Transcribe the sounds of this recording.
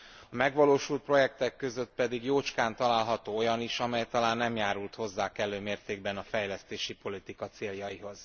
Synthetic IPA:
ɒmɛɡʋɒloːʃult̪̚pro̞jɛk̚t̪ɛkːø̞zø̞t̪̚pɛd̪iɡjoːt͡ʃkaːnt̪ɒlaːlɦɒt̪oːo̞jɒniʃɒmɛjt̪ɒlaːnːɛmjaːɾult̪ho̞zːaːkɛlːøːmeːrt̪eːɡ̚bɛnɒfɛjlɛst̪eːʃipo̞lit̪ikɒt̪seːljɒiɦo̞z̥

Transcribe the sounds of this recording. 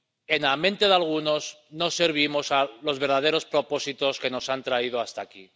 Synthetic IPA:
e̞namẽ̞nt̪e̞ðalɣ̞uno̞s | no̞se̞ɾβ̞imo̞salo̞zβeɾðað̞e̞ɾo̞spɾo̞po̞sit̪o̞ske̞no̞sant̪ɾaið̞oast̪aːki

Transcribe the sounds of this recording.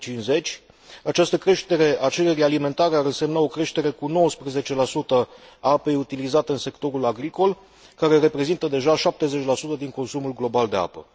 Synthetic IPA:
t͡ʃinze̞t͡ʃʲ | at͡ʃast̪əkɾe̞ʃt̪e̞ɾe̞ʔat͡ʃe̞ɾe̞ɾialime̞nt̪aɾeaɾɨnse̞mnao̞kɾe̞ʃt̪e̞ɾe̞kuno̞wəspɾeze̞t͡ʃe̞lasut̪əaape̞jut̪ilizat̪eɨnse̞kt̪o̞ɾulaɡɾiko̞l | kaɾe̞ɾe̞pɾe̞zint̪əd̪e̞ʒaʃap̚t̪e̞ze̞t͡ʃʲlasut̪əd̪iŋko̞nsumulɡlo̞bald̪e̞a̰pə̰

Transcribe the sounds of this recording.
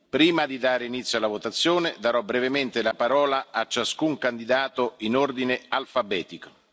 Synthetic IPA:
pɾiːmad̪id̪aːɾeinit̪sːjoalavot̪at̪sːjoːned̪aɾɔbɾɛvement̪elapaɾɔːlaat͡ʃːaskuŋkand̪id̪aːt̪oinord̪inealfabɛːt̪iko

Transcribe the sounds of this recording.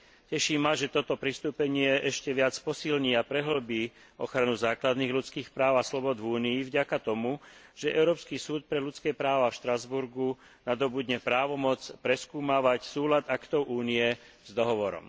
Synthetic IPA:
cɛʃiːmːaʒɛt̪ɔt̪ɔpɾist̪uːpɛɲɪɛʔɛʃcɛʋɪat͡spɔsilɲiapɾɛɦl̩biː | ɔxɾanuzaːklad̪niːɣlut͡skiːxpɾaːʊaslɔbɔd̪vuːniːvɟakat̪ɔmuʒ̥ɛʔɛʊɾɔːpskiːsuːt̪̚pɾɛlut͡skɛːpɾaːʋafʃt̪ɾazbuɾɡu | nad̪ɔbud̪ɲɛpɾaːʋɔmɔt͡spɾɛskuːmaːʋacsuːlad̪akt̪ɔʊʔuːniɛ | zd̪ɔɦɔʋɔɾɔ̰m

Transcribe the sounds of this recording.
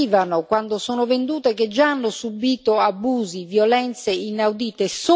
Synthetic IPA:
iːvanʊkwand̪osoːnʊvend̪uːt̪eked͡ʒːaanːʊsubiːt̪oabuːzivjɔlɛnt̪seinawd̪iːt̪es

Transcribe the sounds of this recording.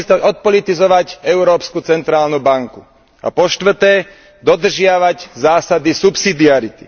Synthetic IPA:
t̪aɔt̪̚pɔlit̪izɔʋacɛʊɾɔːpskut͡sɛnt̪ɾaːlnubaŋku | a̰pɔʃt̪ʋr̩t̪ɛː | d̪ɔd̪r̩ʒɪaʋaɟzaːsad̪isupsid̪iaɾit̪i̥

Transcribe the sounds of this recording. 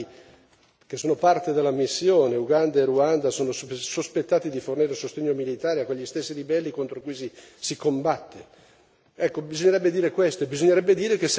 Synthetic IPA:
kesːoːnopart̪ed̪elːamisːjoːneuɡand̪aeruand̪asoːnossospet̪ːaːt̪id̪iforniːɾesost̪eɲːomilit̪aːɾeakːweʎːist̪esːiɾibɛlːikont̪ɾokujsisikombat̪ːe | ɛkːobizoɲːeɾɛbːed̪iːɾekwest̪oebizoɲːeɾɛbːed̪iːɾek̟es

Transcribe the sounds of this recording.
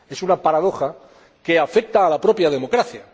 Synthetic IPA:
e̞sunapaɾað̞o̞xa | ke̞afe̞k̚t̪aːlapɾo̞pjað̞e̞mo̞kɾaθja

